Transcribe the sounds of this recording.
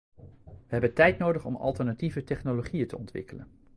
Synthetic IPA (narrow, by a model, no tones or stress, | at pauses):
ʋəɦɛbəntɛjtnowdəχɔmɑ̰lˠtəɹnativətɛχnoloχijətəɔntʋɪ̰kələ̰n